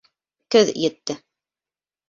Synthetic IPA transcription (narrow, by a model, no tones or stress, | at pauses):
kɵðjɘ̆t̪ːɘ